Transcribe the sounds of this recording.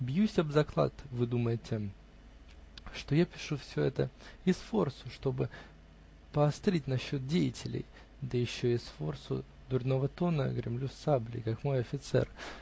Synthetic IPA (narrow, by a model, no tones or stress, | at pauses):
bjusʲɐbzɐklˠa̰t̪vɨd̪uməjɪtʲɪ | ʂt̪o̞japʲɪ̥ʂufsʲoɛt̪əɪsfo̞rsʊ̥ʂt̪o̞bɨ | pəɐst̪ɾʲit̚ʲnɐɕːo̞t̪̚dʲejɪtʲɪlʲɪ̰j | d̪əjɪɕːoɪsfo̞rsʊ̰ | d̪ʊrʲno̞vət̪o̞nə̰ɡɾʲɪ̰mlʲusablʲɪ̰kakmo̞jɐfʲɪt̪sɛ̰r